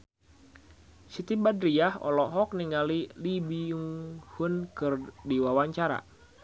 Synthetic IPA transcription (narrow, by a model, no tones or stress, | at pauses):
sit̪ibadɾiahɔ̰lɔɦɔk̚niŋalilibiuŋhunkɨrdiwawaɲt͡ʃaɾa̰